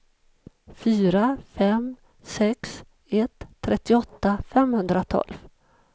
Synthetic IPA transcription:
fyːɾafɛm | sɛks | ɛt̪ʰːɾʔɛt̪ːɪɔt̪ːafɛmhɵnd̪ɾat̪ʰɔ̰lv

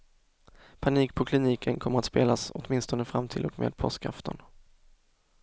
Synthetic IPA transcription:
pʰaniːkpʰɔkʰlɪniːkʰənkʰɔməɾat̪speːlasɔt̪mɪnst̪ɔnəfɾamt̪ʰɪlɔkmḛːd̪̚pʰɔskʰɾa̰ft̪ʰə̰n

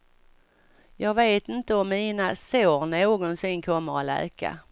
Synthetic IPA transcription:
jɑːɡveːt̪ɪnt̪əɔmːiːnasoːɾnoːɡɔnsɪnːkʰɔmːəɾalɛ̰ːka̰

